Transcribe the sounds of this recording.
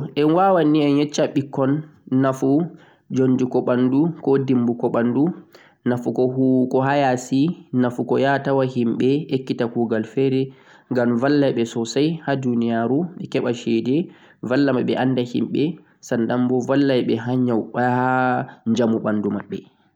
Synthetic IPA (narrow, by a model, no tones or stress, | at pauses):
ʔɛnwawanːiɛnjɛt͡ʃːaɓikːɔnːafu | d͡ʒondikɔɓandukɔdimbukɔɓandu | nafukɔkɔɦajasinafukɔjatawahimɓɛekːitakuːɡalfɛɾɛ | ŋɡamvalːajɓɛsɔsajhadunijaɾuɓɛkɛɓaʃɛdɛ | valːamaɓɛʔanːdahḭmɓɛ | sandambɔvalːajɓɛɦaɲawɓahaɲd͡ʒamuɓandumaɓːɛ